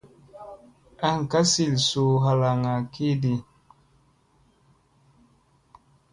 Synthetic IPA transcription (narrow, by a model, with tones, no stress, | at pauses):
a˨ŋ˨ka˦si˨lsu˨ɦa˨la˨ŋa˨ki˦di˨